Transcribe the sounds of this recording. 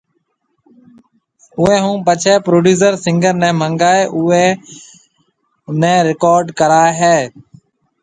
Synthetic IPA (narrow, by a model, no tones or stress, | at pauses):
ʊɛ̃ːɦũːpət͡ʃʰɛːpɾoːɖuːs̬əɾsɪ̃ŋɡəɾnɛ̃ːməŋɡaːeːʔʊeː | nɛ̃ːɾɪkɔːɾɖkəɾaːɦeː